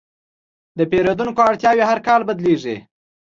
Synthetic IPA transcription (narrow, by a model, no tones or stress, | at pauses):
d̪əpeɾod̪unkoaɽt̪jɑweɦaɾkɑlbad̪leʐi